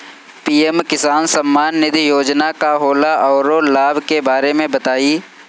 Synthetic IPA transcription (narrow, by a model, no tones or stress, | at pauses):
piːemkɪsaːnsɐ̃mːaːnːɪd̪ijoːd͡ʒnakaɦoːlaʔɔːɾolaːbʱkebaːɾemẽbɐt̪aːiː